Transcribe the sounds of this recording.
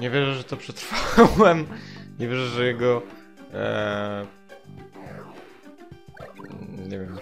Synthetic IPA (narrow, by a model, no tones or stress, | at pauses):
ɲɛvʲjɛʐɛʐɛt̪ɔpʂɛt̪ɾfawɛmɲɛvʲjɛʐɛʐɛjɛɡɔ | ɲɛvʲɛm